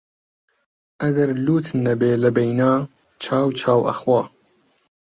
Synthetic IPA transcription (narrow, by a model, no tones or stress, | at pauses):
ʔɐɡɐɾluːt̪nɐbeːlɐbejnaː | t͡ʃʰaːwt͡ʃʰaːwʔɐ̰xwɑː